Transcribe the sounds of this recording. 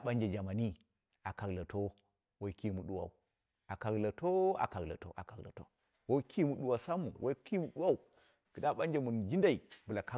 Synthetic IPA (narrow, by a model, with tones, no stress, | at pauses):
ɓa˦nd͡ʒe˨d͡ʒa˨ma˨ni˦ | a˨ka˨ɡla˨to˦ | wa˦i˦ki˦mu˨ɗu˦wa̰˨u˨ | a˨ka˨ɡla˨to˦a̰˨ka˨ɡla̰˨to̰˦ʔa˨ka˨ɡla̰˨to̰˦ | wo˦kʰi˦mu˨ɗu˨wa˨sa˦mu˨wʔa˦i˦ki˦mu˨ɗu˦wa˦u˨ | ki˨da˦ɓa˦nd͡ʒe˦˨mu˨n˨d͡ʒi˦nda˦˨i˨bu˨la˨ka˦